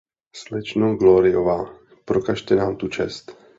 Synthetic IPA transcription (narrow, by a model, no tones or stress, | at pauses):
slɛt͡ʃnowɡloɾɪovaː | pɾokaʃt̪ɛnaːmt̪ut͡ʃɛst̪